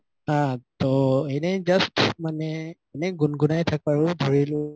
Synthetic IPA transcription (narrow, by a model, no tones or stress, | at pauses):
satɔɛnɛzastmanɛɛnɛɡunɡunajtʰak̚aɹʊdʱɔɹilʊ̃